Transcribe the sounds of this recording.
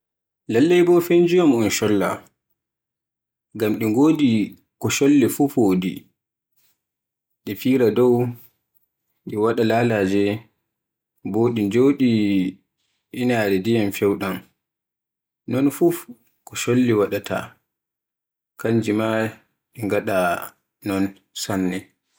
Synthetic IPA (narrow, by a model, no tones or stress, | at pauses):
lalːajbɔfend͡ʒijɔmɔnʃɔlːa̰ | ɡamɗiŋɡoːdi | kɔʃolːifufoːdḭ | ɗɛfiːɾadɔw | ɗɛwaɗalaːlad͡ʒɛ | boːɗid͡ʒoːɗi | inaːɾɛdijamfɛwɗan | nɔnfu | kɔʃolːiwaɗatʰa̰ | kaɲd͡ʒima | ɗiŋɡaɗa | nɔn | sanːɛ